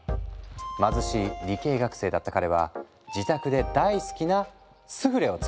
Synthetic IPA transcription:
mazɨɕiɾʲike̞ːɡakɯ̟̥se̞ːd̪at̪ːakaɾe̞β̞a̰ | d͡ʑit̪akɯ̟d̪e̞d̪aisɨ̥kʲina | sɨɸɯ̟ɾe̞o̞t͡s

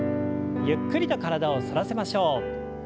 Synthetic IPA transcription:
jɯkːɯɾʲit̪o̞kaɾad̪ao̞saɾase̞maɕo̞ː

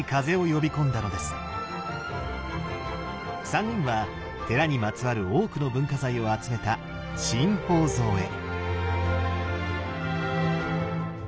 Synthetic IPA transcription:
ikaze̞o̞jo̞bʲikõ̞nd̪ano̞d̪e̞sɨ̥ | saŋɡɯ̟̃ɰ̃βa | t̪e̞ɾaɲ̟imat͡sɨβaɾɯ̟o̞ːkɯ̟no̞bɯ̟̃ŋkazaio̞at͡sɨme̞t̪a | ɕĩmpo̞ːzo̞ːe̞̰

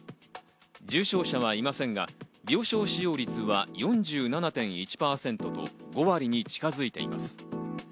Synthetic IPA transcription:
d͡ʑɨːɕo̞ːɕaβ̞aimasẽ̞ŋɡabʲjo̞ːɕo̞ːɕijo̞ːɾʲit͡sɨβajõ̞ɲ̟d͡ʑɨːnanat̪ẽ̞ɰ̃it͡ɕi̥paːsẽ̞nt̪o̞t̪o̞̰ɡo̞βaɾʲiɲ̟it͡ɕi̥kazɨit̪e̞̰ḭma̰sɨ̥

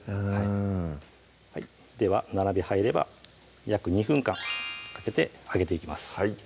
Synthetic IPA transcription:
hai | hai | d̪e̞βanaɾabʲihaiɾe̞ba̰ | jakɯ̟ɲ̟iɸɯ̟̃ŋkãŋkḁke̞t̪e̞aɡe̞t̪e̞ikʲimasɨ̥ai

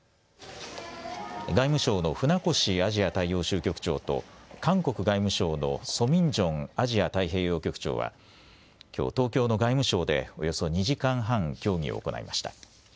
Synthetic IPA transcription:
ɡaimɯ̟ɕo̞ːno̞ɸɯ̟nako̞ɕiaʑiat̪aijo̞ːɕɨːkʲo̞kɯ̟̥t͡ɕo̞ːt̪o̞̰kãŋko̞kɯ̟ɡaimɯ̟ɕo̞ːno̞̰so̞mʲĩɲd͡ʑõ̞ŋaʑiat̪aiɦe̞ːjo̞ːkʲo̞kɯ̥t͡ɕo̰ːβa̰ | kʲo̞̰ːt̪o̞ːkʲo̞ːno̞ɡaimɯ̟ɕo̞ːd̪e̞̰o̞jo̞so̞ɲ̟iʑikãɰ̃ɦãŋkʲo̞ːŋʲḭo̰ːko̞na̰ḭmaɕi̥t̪a̰

